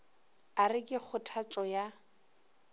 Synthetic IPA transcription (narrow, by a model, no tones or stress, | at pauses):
arɪkʼɪk͡xʰʊtʰat͡ʃʼɔja